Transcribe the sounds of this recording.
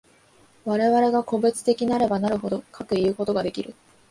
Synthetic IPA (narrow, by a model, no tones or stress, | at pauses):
βaɾe̞βaɾe̞ɡako̞be̞t͡sɨ̥t̪e̞kʲinaɾe̞banaɾɯ̟ho̞d̪o̞kʰakɯ̟iɯ̟ko̞t̪o̞ɡad̪e̞kʲiɾɯ̟̰